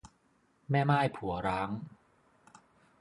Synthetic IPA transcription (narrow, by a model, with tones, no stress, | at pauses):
mɛː˥˩maː˥˩jpʰu˩˦ɐɾaː˦˥ŋ